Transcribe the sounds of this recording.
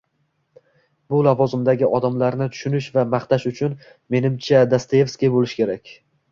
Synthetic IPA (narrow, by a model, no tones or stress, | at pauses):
bʊlavɒzɪmd̪aɡʲɪɒd̪amlaɾnɪt̪ʰʊ̥ʃʊnɪʃvamaχt̪aʃʊt͡ʃʰʊn | me̞nɪmt͡ʃʰad̪ast̪ajefskʲibolɪʃkʲʰe̞ɾakʲ